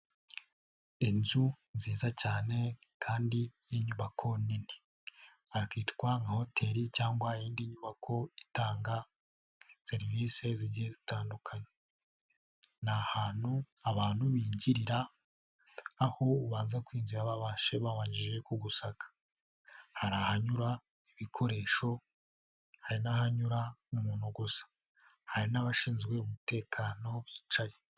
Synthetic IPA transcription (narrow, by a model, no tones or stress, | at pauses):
inzu | nziːzacaːne̞kʰaːndi | iɲuβakʰo̞nini | aakiːtkwaŋɡaho̞tʰe̞ɾicaːŋɡwajiːndiɲuβakʰo̞itaːŋɡa | se̞ɾivise̞ziɟijezitaːndukʰaɲe | nahaːn̥hu | aβaːnhuβiːɲɟiɾiɾa | ho̞uβaːnzakwiːɲɟiɾaβaβaʃe̞βaβaːɲɟiʒe̞kuɡusakḁ | haɾahaɲuɾa | iβikʰo̞ɾe̞ːʃo̞ | haɾinahaɲuɾamumuːnuɡosḁ | haɾinaβaʃiːnzɡwe̞umute̞ːkʰaːno̞zit͡ʃaje